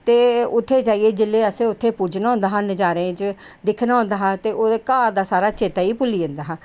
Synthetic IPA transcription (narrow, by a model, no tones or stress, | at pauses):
t̪eːʊt̪ʰːeːt͡ʃaːieːd͡ʒɪlːeːəsẽːʊt̪ʰːeːpuːd͡ʒnɔ̃ːnd̪aːɦãned͡ʒaːɾẽːt͡ʃd̪ɪkʰnaːõnd̪aːɦãːt̪eːʔoːekaːɾd̪aːsaːɾaːt͡ʃeːt̪aːiːpʊliːənd̪aːɦãː